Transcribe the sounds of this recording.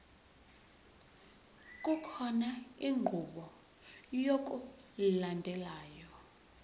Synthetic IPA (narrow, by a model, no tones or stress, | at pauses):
k̬ʼukʰɔnaiŋʱuɓɔ | jok̬ʼu | landʱɛlaːjɔ